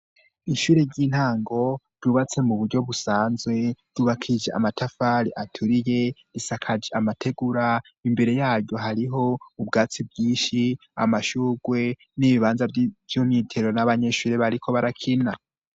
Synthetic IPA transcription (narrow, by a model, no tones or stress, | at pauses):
iʃuːɾe̞ɾɟin̥haːŋɡo̞ɾɟuːβat͡se̞muβuɾɟo̞βusaːnzɡwe̞ɾ̥uːβakʰid͡ʒeʔa̰matʰafaːɾiʔatʰuɾije̞ɾisakʰad͡ʒeamatʰe̞ɡuɾa | imbe̞ɾe̞jaːɾɟo̞ɦaɾiɦo̞ubɡaːt͡sibɡiːʃi | a̰maʃuːɡwe̞ | niβiβaːnzavjumɲiːtʰeɾonaβaɲe̞ʃuːɾe̞βaɾikʰo̞βaɾakʰina